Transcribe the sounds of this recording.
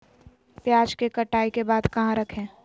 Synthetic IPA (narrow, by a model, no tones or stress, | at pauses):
pjaːd͡ʒkekɐʈaːikebaːd̪kɐɦãɾɐkʰẽː